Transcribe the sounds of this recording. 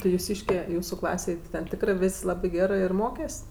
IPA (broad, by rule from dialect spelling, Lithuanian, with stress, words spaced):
tɐɪ jʊˈsʲiːʃʲkʲɛ ˈjuːsuː ˈklˠɑːsʲeːj tʲɪ tʲɛn ˈtʲɪkrɜ ˈʋʲeːsʲ ˈlˠɑːbɜ ˈɡʲæːrɜ ɪr ˈmoːkʲɛsʲ